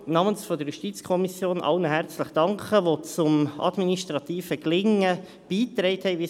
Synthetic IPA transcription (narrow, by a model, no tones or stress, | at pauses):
nɑːmənsfɔd̪əɾjuʃtit͡skʰɔmisjoːnʔɑ̰lnəɦɛɾt͡sləχd̥ɑŋkəʋot͡sʊmɑ̰d̪miniʃtɾɑt̪iːfəklɪŋːə | b̥iːt̪ɾɛɪthɛɪʋi